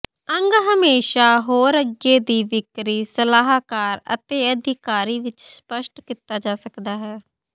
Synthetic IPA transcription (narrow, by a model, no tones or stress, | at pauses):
əŋɡɦəmeːʃaːɦoːɾəɡeːd̪iːʋɪkɾiːsəlaːɦaːkaːɾə̰t̪eːəd̪ʱɪkaːɾiːʋɪt͡ʃspəʃʈkiːt̪aːd͡ʒaːsəkd̪aːɦɛː